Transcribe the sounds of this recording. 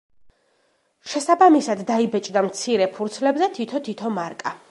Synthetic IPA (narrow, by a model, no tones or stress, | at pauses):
ʃɛsabamisad̪ːaibɛt͡ʃʼd̪amt̪sʰiɾɛpʰuɾt̪sʰlɛbzɛt̪ʰit̪ʰɔt̪ʰit̪ʰɔmaɾkʼa